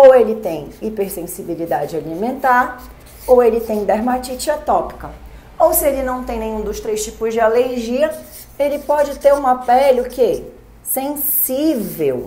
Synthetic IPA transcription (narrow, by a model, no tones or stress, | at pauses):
owelɪt̪ẽj̃ipeɾsẽsibilid̪ad͡ʒɪalimẽnt̪aɾ | owelɪt̪ẽj̃d̪aɾmat͡ʃit͡ʃiɐt̪ɔpi̥kɐ | owsɪelɪnɐ̃w̃t̪ẽj̃nẽj̃ũd̪ʊst̪ɾejʃt͡ʃipʊzd͡ʒɪaleɾʒiɐ | elɪpɔd͡ʒɪt̪eɾũɐpɛlʊke | sẽsivew